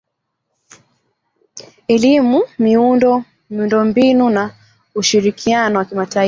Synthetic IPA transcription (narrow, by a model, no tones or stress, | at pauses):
ɛlimumiundɔ | miundɔmbinuna | uʃiɾikʰianɔwakimata